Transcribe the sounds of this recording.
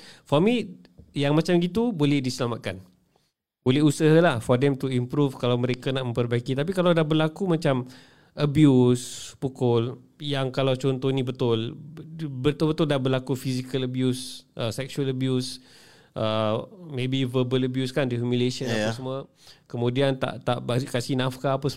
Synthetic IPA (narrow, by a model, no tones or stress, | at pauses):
fɔmi | jaŋmãt͡ʃamɡit̪ubolɛhdisəlamaʔ̪̚kan | bolɛɦusəɦlahfɔdɛmt̪uimpɾufkalawməɾekanaʔmə̃mpərbaikit̪ap̬ikalawdahbəlakumat͡ʃam | ʔəbjuspukʊljaŋkalawt͡ʃɔnt̪ohnibət̪ʊl | bət̪ʊlbət̪ʊldahbərlakufizikələbjusʔəsɛksualəbjus | ʔəmẽbivəbələbjuskandiumjuleʃənapasmua | kəmudiant̪a̰ʔt̪a̰ʔbaikasinafkaːpas